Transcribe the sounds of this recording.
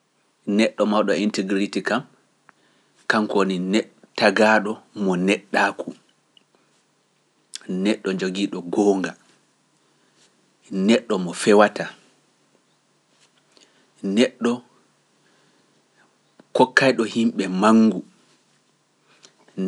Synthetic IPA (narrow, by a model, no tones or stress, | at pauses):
nɛɗːɔmawɗɔintiɡɾitikam | kamkoninɛ | taɡaɗɔmɔnɛɗːaːkʰu | nɛɗːɔɲd͡ʒoɡiːɗɔɡɔːŋɡa | nɛɗːɔmɔfɛwata | nɛɗːɔ | kɔkːajɗɔhimɓɛmaŋːɡu